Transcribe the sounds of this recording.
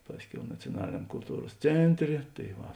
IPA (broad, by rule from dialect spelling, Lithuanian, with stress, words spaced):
ˈpɑːsʲˌkʲɛʊ nɐt͡sʲoːˈnɑːlʲɪnʲɛm kʊlˠˈtuːroːs ˈt͡sʲeːnʲˌtʲrʲeː tɐɪ ˈʋɐ